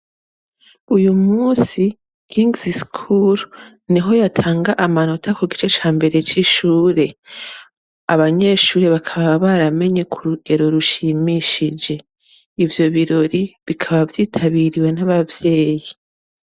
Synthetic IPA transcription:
ujumuːsi | kiŋɡziskʰuɾ | niɦo̞jatʰaːŋɡaʔamano̞tʰakuɡit͡ʃe̞t͡ʃaːmbe̞ɾe̞t͡ʃiʃuːɾe̞ | aβaɲe̞ːʃuːɾeβakʰaβaaβaɾame̞ɲe̞kʰuɾuɡe̞ɾo̞ɾuʃimiʃid͡ʒe̞ | ivjo̞βiɾo̞ɾiβikʰaβavjiːtʰaβiɾiwe̞naβavje̞ːji

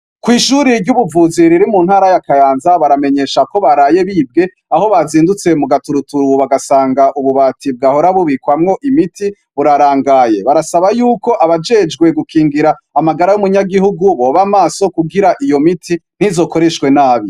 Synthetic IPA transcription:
kwiːʃuɾiɾɟuβuvuːziɾiɾimuːnhaːɾajakajaːnzaβaɾame̞ɲe̞ʃako̞βaɾaje̞βiːb̚ɡe̞ | aho̞βaziːndut͡se̞muɡatuɾutuɾuβaɡasaːŋɡaʔuβuβatib̚ɡaho̞ɾaβuβikwamŋo̞ʔimitʰi | βuɾaɾaːŋɡaje̞βaɾasaβajuːko̞ʔaβad͡ʒe̞d͡ʒɡwe̞ɡukʰiːŋɡiɾaːmaɡaɾajumuɲaɡihuɡuβo̞ːβamaːso̞kuɡiɾaʔijo̞mitʰin̥izo̞ːko̞ɾe̞ʃkwe̞naːβi

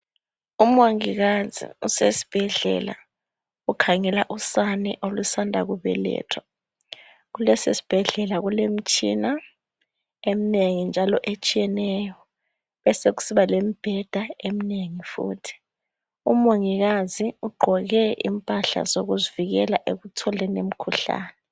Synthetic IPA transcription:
umoŋiɣazḭusesi̥b̥ʱɛɮɛ̰la̰ | ukʰaŋɛlaʔusanɛʔolusandʱa̰ɣuβɛ̰lɛ̰ːtʰwa | ɣulɛsesi̥b̥ʱɛɮɛlaɣulem̩t͡ʃʼina | emineŋind͡ʒʱalɔʔet͡ʃʼijɛnɛjɔ | βɛseɣu̥siβalemib̥ʱɛd̥ʱaemineŋifṵːtʰi̥ | umoŋiɣaziuɡ͡ǃʱɔɣɛʔḭmpʼaɬa̰zoɣuziviɣɛlaʔeɣutʰɔlɛnem̩kʰuɬa̰ːnɛ

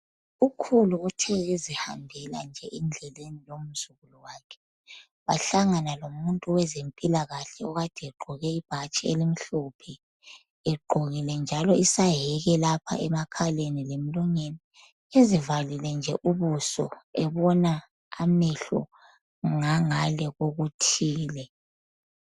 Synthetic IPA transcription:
ukʰuluutʰɛɣeziha̰mbʱɛla̰nd͡ʒʱɛʔind͡ɮʱɛlenilom̩suɣulɔwaːkʰɛ̥ | βaɬaŋanalomuntʼuwɛzempʼilaɣaɬɛɔɣad̥ʱɛɡ͡ǃʱɔɣɛib̥ʱat͡ʃʼielim̩ɬupʰɛ | ɛɡ͡ǃʱoɣilɛnd͡ʒʱalɔisaɦɛɣɛlapʰa̰ʔɛmakʰalenilemiluŋeni | ezivalilɛnd͡ʒʱɛʔuβusɔ̰ɛβɔnaː | miɬɔ̰ | ŋaŋalɛɣoɣutʰiːlɛ

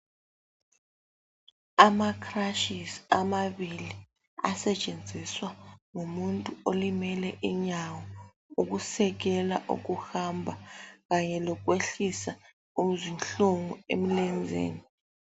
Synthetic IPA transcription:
amakʰraʃisamaɓili | a̰sɛt͡ʃʼend͡zʱiswaŋumuntʼuolimɛlɛʔiɲawɔ | uk̬usɛk̬ɛla̰ʔṵk̬uhambʱak̬aɲɛlɔk̬weɬisa | um̩zinɬuŋuḛm̩lɛnd͡zʱḛːni

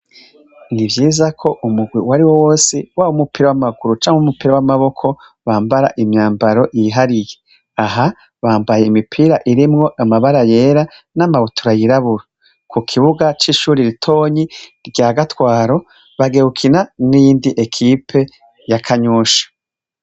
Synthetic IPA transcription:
nivjiːzakʰo̞ʔumuɡwiwaɾiwowo̞ːsiwaːwomupiɾawamaɡuɾut͡ʃaːŋumupiɾawamaβo̞kʰo̞ | βaːmbaɾa̰ʔimɲaːmbaɾo̞jiɦaɾije | aɦa | βaːmbajeimipʰiːɾaʔiɾimŋo̞ʔamaβaɾaje̞ːɾanamaβutʰuɾajiɾaβuɾa | kukʰiβuɡat͡ʃiʃuːɾiɾitʰo̞ːɲiɾɟaːɡatwaːɾo̞ | βaɡehukʰinanijiːndiʔekʰipʰe̞ | jakʰaɲuːʃḁ

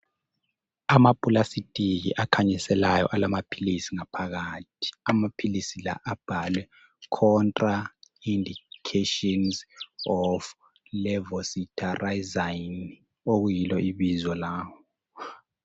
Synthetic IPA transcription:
amapʼulasitʼiɣḭʔakʰaɲisɛlajɔ̰ʔalamapʰilisiŋapʰaɣaːt̚ʰi̥amapʰilisila̰ʔab̥ʱalwɛ | kʰɔntʼraindikʰetɔnzɔf | lɛvɔsitʰʼaraizajn | oɣujilɔʔiβizɔlaːwɔ

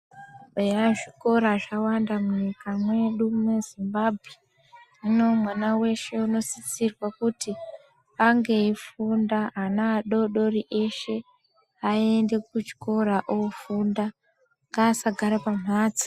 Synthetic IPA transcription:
ɓeraʐiko̞ɾaʐawandamuɲikamwe̞ɗumezimbabʱwe | ino̞mwanawe̞ʃe̞uno̞sit͡sirwakuti | aŋɡe̞ifundaanaːɗo̞ɗo̞riʔe̞ʃe̞ | aende̞kut͡ʃi̥ko̞ɾaʔofunda | ŋɡaːsaɡʱaɾapam̤ɦaːt͡si̥

